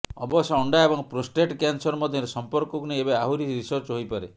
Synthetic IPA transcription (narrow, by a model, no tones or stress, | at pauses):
ɔ̰bɔsɔɔɳɖaebɔŋpɾosʈeʈkjansɔɾmɔd̪ʱjɔɾesɔmpɔɾkɔkunejebeaɦuɾiɾisɔɾt͡ʃɦojpaɾe